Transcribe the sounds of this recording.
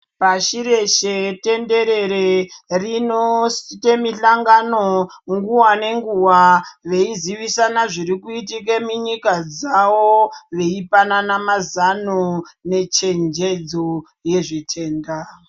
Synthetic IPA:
paʃiɾe̞ʃete̞ndeɾe̞ɾerinostemiɬaŋɡanoŋɡuwane̞ŋɡuwaʋe̞iziʋisanaʐiɾikuitik̬emiɲikad͡zawoʋe̞ipananamazanone̞t͡ʃe̞nd͡ʒed͡zo | je̞ʐitʰe̞ːnda

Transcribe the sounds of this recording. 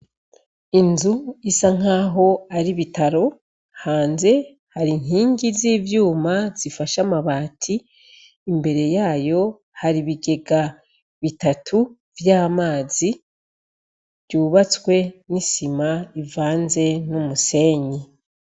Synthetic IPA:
inzuisaŋ̥aːɦo̞aɾiβitaɾo̞ | haːnze̞ | haɾiŋ̥ɦiːɲɡiziːvjuːmaz̥ifaʃamaβaːtʰiː | mbe̞ɾe̞jaːjo̞ | haɾiβiɡe̞ɡa | βitatʰu | vjaːmaːzi | vjuβat͡swe̞nisimaivaːnze̞numuse̞ːɲi

